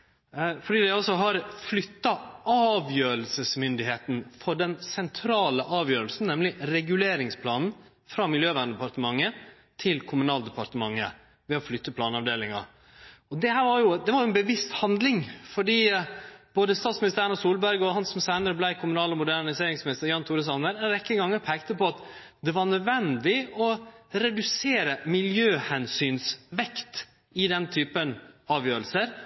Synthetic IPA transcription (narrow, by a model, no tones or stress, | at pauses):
fɔɖiːd̪æɪɔsɔɦɑɾflʏt̪ːɑɑːʋjøːɾəlsəsmʏnd̪ɪheːt̪nfɔɖɛnsɛnt̪ʰɾɑːləʔɑːʋjøːɾəlsn̩nɛmlɪɾɛɡʉleːɾɪŋspʰlɑːnn̩ | fɾɑːmɪljøːʋæːnəd̪ɛpɑɾʈ̪əmɑŋːə | t̪ʰɪlkʰʊmʉnɑːld̪əpɑɾt̪əmɑŋːə̰ | ʋɛɔflʏt̪ːəpʰlɑːnɑʋd̪eːlɪŋɑ | ɔd̪ɛhæːɾʋɑɾjʊd̪ɛʋɑɾjʊɛnbəʋɪst̪hɑnd̪lɪŋfɔɖiːb̥oːd̪əst̪ɑːt̪smɪnɪst̪æɾənɔsuːlbæɾɡəɔhɑnsɔmsæɪnəɾəblæɪkʰʊmʉnɑːlɔmʊd̪ænɪseːɾɪŋsmɪnɪst̪əɾjɑːnt̪ʰuːɾəs̬ɑnəɾɛɾɛkːəŋɡɑŋːəɾpʰæːkt̪əpɔɑt̪ | d̪ɛʋɑɳœd̪ʋɛnd̪ɪɔɾɛd̪ʉseːɾəmɪljøːhɛnsyːnsʋɛkt̪ | ɪd̪ɛnt̪ʰyːpənɑːʋjøːɾəlsəɾ